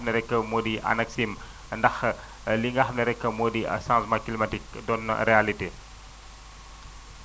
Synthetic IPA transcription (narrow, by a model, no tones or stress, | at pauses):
nəɾekamodiʔa̰nəksim | əndah | liŋahnəɾɛkəmodia̰sasmaklimatik̚dɔn̰ɾealiti